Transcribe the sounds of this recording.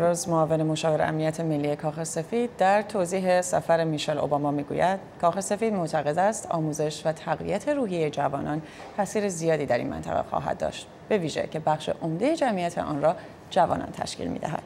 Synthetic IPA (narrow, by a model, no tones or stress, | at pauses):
ɾoːzmoɒːve̞nemoʃɒːve̞ɾḛʔæ̰mnijæt̪ʰe̞me̞lːije̞kʰɒːxese̞fiːd̪̚d̪æɾt̪ʰoziːɦe̞sæ̰fæɾemiʃɛlʔo̰bɒːmɒːmiːɡṵjæd̪̥kʰɒːxe̞se̞fiːd̪moʔt̪ʰæɣe̞d̪æst̪ʰɒːmuːze̞ʃvæt̪ʰæɣvḭæt̪ʰe̞ɾuːɦijejed͡ʒævɒːnɒn | tʰæsiːɾezijɒːd̪iːd̪æɾḭnmæ̰nt̪ʰæ̰ɣḛxɒ̰ːɦæ̰d̪̚dːɒ̰ːʃt̪ | b̥e̞viːʒe̞̰cʰe̞bæxʃḛʔo̞md̪e̞jed͡ʒæmʔijæt̪ʰḛʔɒ̰nrɒː | d͡ʒævɒ̰ːnɒ̰ːnt̪ʰæ̰ʃcḭlmḭːd̪æ̰ɦæ̰d̪̥